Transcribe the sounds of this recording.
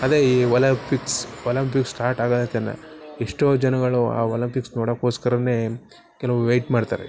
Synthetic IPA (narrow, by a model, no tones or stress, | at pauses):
ɐd̪ɾeiɐlɐpiksɔlɐmpiksːʈaːɾʈaːɡad̪ɐt̪enːɐ̰iʂʈoːd͡ʒɐnɐɡɐɭua̰ːɔːlɐmpiksnoːɽakoskɐɾɐne | kɛlɐʋuʋejʈmaːɖt̪a̰ɾḛ